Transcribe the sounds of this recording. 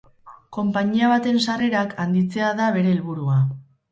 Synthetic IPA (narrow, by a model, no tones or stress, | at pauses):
ko̞mpaɲiaβ̞at̪e̞nsare̞ɾakʰand̪it͡se̞aðaβ̞e̞ɾe̞ːlβuɾua